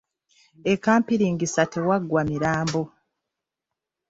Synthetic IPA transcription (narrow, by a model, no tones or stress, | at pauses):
ekːaːmpiɾiŋɡisatewaɡwamiɾaːmbo̞